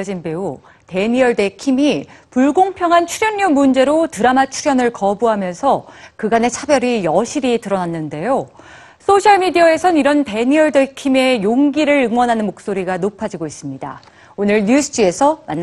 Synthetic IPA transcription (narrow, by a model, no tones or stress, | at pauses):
d͡ʑinbe̞u | te̞ɲiʌɭde̞kʰimipuɭɡoŋpʰjʌŋɦant͡ɕʰuɾjʌnːʌmund͡ʑe̞ɾotɯɾamat͡ɕʰuɾjʌnɯɭkʌbuɦamjʌnsʰʌkɯɡane̞t͡ɕʰabjʌɾijʌɕʰiɾitɯɾʌnanːɯnde̞jo | s͈ʰoɕʰaɭmidiʌe̞sʰʌniɾʌnte̞ɲiʌɭdekʰime̞joŋɡiɾɯɾɯŋwʌnɦanɯnmok̚s͈oɾiɡanopʰad͡ʑiɡois͈ɯmɲida̰ | onɯɭɲusʰɯ̥d͡ʑue̞sʰʌmanː